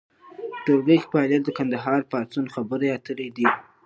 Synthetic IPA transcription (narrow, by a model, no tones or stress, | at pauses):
ʈoɡəjxpaɑljat̪̚d̪əkand̪aɦɑɾpɑt͡sunxabəɾeat̪əled̪i